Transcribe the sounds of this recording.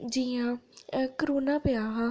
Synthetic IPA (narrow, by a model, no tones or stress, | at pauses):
d͡ʒiãːkəɾoːnaːpɪjaːɦã